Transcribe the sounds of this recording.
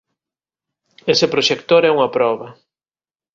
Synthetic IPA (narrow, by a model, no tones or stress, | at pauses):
esepɾoʃekt̪oɾɛuŋɐpɾɔβɐ